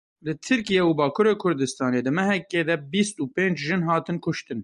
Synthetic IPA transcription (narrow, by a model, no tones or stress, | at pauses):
lɨt̪ʰɨɾkijeubɑːkʰuɾeːkʰʊɾd̪ɨst̪ɑːneːd̪ɨmɛɦɛkeːd̪ɛbist̪uːpẽːnd͡ʒʒɨnɦɑːt̪ɨnkʰʊʃt̪ɨn